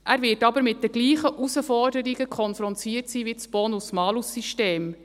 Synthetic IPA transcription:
ʔæɾvɪtɑbəɾmɪt̚d̥ɛɡliːχəʔusəfɔrdəɾiɡəkʰɔnfɾɔntiːətsiːʋit͡sb̥ɔnusmɑːlusːiʃteːm

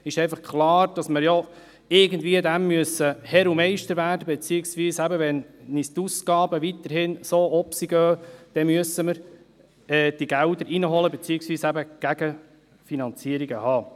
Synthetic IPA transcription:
ɪʃɛɪfɑχkʰlɑːɾd̥ɑsməɾjɔ | ɪɾɡəndviːəd̪æmːyəsəhɛɾumɛɪʃtəɾvæːɾdəbɛt͡siːɪksʋiːsæbəʋɛnːist̪uskɑːbəʋit̪əɾɦhɪnsoːɔpsiɡ̥œːd̪̥ɛmyəsːəməɾ | ɛːd̥iɡ̥ældəɾinəɦɔləbet͡siːɪksviːsæbəɡ̥æɡ̥ə | finɑnt͡siəɾiɡəhɑː

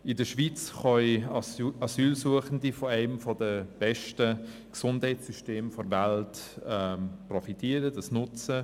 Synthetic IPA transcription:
ɪdəʃvit͡sχɔɪ | ɑsyːlsuəχəndifɔɛɪmfɔdəb̥ɛʃtəksʊndhɛɪtsyʃteːmfɔɾvaltɛprɔfitʰiəɾədɑsnʊt͡sə

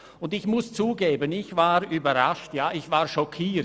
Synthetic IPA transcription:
ʊndɪçmʊst͡suːɡeːbənɪçv̥aːɾybɐɾaʃtjaːʔɪçv̥aːɾʃɔkʰiː

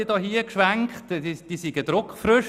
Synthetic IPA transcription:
idɑːhiːəkʃʋæŋktid̥iːsiɡəd̥̪ɾʊkfɾʏʃ

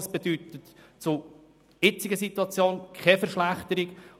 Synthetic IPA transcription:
sb̥ed̪yt̪ətt͡sʊ | ɪt͡sɪɡəsit̪uɑt͡sjoːnkʰχɛfɛɾʃlæχt̪əɾɪɡ

